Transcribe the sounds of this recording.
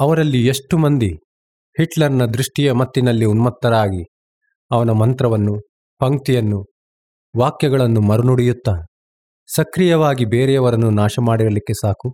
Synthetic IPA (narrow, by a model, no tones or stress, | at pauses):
ɐʋɐɾɐlːieʂʈumɐnd̪i | hiʈlɐɾɐnɐd̪ɾuʂʈijɐmɐt̪ːinɐlːiunmɐt̪ːɐɾaːɡi | ɐʋɐnɐmɐnt̪ɾɐʋɐnːu | pɐŋt̪ijɐnːu | ʋaːkjɐɡɐɭɐnːumɐɾunuɽijut̪ːɐ | sɐkɾijɐʋaːɡibeːɾɛɐʋɐɾɐnːunaːʃɐmaːɽiɾɐlikːe̞saːku